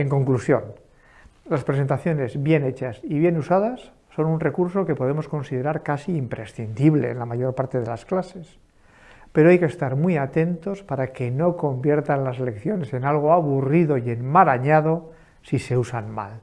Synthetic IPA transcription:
e̞ŋko̞ŋklusjo̞̰n | laspɾes̬e̞nt̪aθjo̞ne̞zβje̞ne̞t͡ʃasiβjenusað̞asː | o̞nunre̞kuɾso̞ke̞po̞ð̞e̞mo̞sko̞nsiðe̞ɾaɾkasiːmpɾe̞sθind̪iβle̞̰ːnlamaʝo̞ɾpaɾt̪e̞ð̞e̞lasklase̞s | pe̞ɾo̞ajkest̪aɾmwiat̪e̞nt̪o̞spaɾake̞no̞ko̞mbje̞ɾt̪anlasele̞kθjo̞ne̞se̞nalɣ̞o̞aβ̞uriðo̞je̞nmalaɲað̞o̞ | sise̞usanma̰l

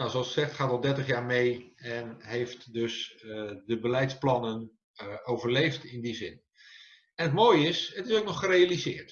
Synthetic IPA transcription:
nawsoɑlˠssɛxtχaːtɔlˠdɛɹtəχjaːɹmejɛnɦejftdøsdəbəlɛjtsplɑnən | owvərlejftɪndizɪn | ɛnətmoːjəɪsətɪsowk̚nɔχːərejalizɪːɹt

